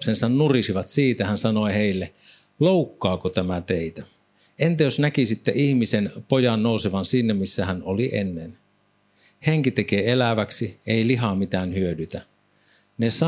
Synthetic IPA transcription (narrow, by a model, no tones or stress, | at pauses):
psensɑnnurisiʋɑt̪siːt̪æhænsɑnoiheˑilːe | loˑukːɑːkot̪æmæt̪eit̪æ | ent̪æjosnækisit̪ːeihmisenpojɑnnoˑuseʋɑnsiːnːæmisːæhænoliʔḛnːen | heŋkit̪ekeːelæʋæksieiliɦɑmit̪æːnhyødyt̪æ | nesɑ